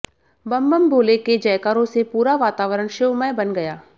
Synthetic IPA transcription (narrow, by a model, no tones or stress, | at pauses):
bɐmbəmboːleked͡ʒɐjkaːɾõsepuːɾaʋaːt̪aːʋəɾəɽ̃ʃɪwmɛjbɐnɡɐjaː